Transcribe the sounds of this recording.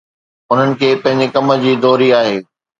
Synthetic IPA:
ʊn̤ənɪ̆kʰeːpɐ̃ɦɪ̃ɲ̆d͡ʑekɐmə̆d͡ʑiːd̪ɔːɾiaːɦeː

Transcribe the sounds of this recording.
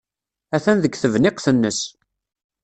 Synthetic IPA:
æθænðəɡθəvnɪqθənːəs

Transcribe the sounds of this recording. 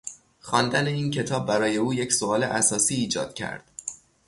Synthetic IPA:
xɒːnd̪æneiːncʰe̞t̪ʰɒːb̚ːæɾɒːje̞uːje̞csoɒːle̞̰ʔæsɒːsiːd͡ʒɒ̰ːd̪̥cʰæ̰ɾd̪̥

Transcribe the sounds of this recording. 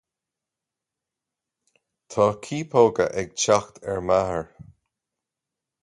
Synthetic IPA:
t̪ʰɑːkʰiːpʰoːɡə̰ʔɛɡ̚t͡ʃaxt̪ʰɛɹmahəɹ

